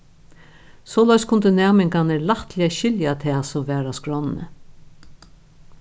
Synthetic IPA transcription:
sɔːlaɪjskʰʊnt̪ənæːmɪŋkanɛlaht̪lɪaʃɪljat̪ʰɛːsɔmvɛːɾaskɹɔnnə̰

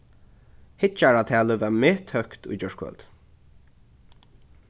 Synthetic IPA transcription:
hɪt͡ʃaɹat̪ʰæːləvɛɹmeːt̪ʰhœhkt̪ʊ̰jd͡ʒœɹkʰwœ̰lt̪

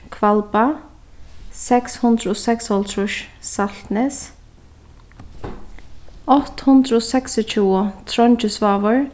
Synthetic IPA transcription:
kʰvalpa | sɛkshʊnd̪ɾəɔsɛkshɔlt̪ʰɾʊʃsalt̪nɛs | ɔht̪hʊnd̪ɾəɔsɛksɔt͡ʃʰuːʊt̪ʰɾɔnt͡ʃɪsvaːvɔɹ

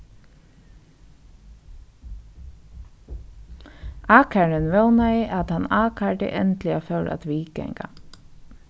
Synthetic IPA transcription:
aːkʰaɹɪnʋɛwnaiʔat̪hanaːkʰaʈɪ̰ʔɛnt̪lɪafœwɾʔa̰t̪ʋiːkɛ̰ŋka̰

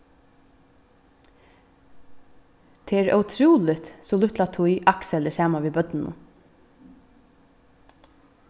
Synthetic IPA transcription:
t̪ʰɛːæːɾœ̰ʉt̪ʰɾuːlɪt̪sɔlʊht̪lat̪ʰʊjʔaksɛlɪsɑːmaʋiːbœt̪nɪnʊ̰

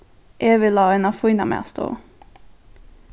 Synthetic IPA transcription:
ʔeːʋɪlhɑːeːnɑfuɪnɑmḛːst̪o̰ː

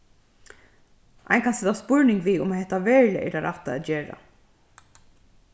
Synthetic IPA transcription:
ʔa̰ɪjnkʰansɛt̪aspʊɹnɪŋɡʋiːʊmahɛht̪ːaʋɛːɹlɛ̰ʔɛ̰ʈaɾʔa̰ht̪a̰ɛt̪d͡ʒeːɹa̰

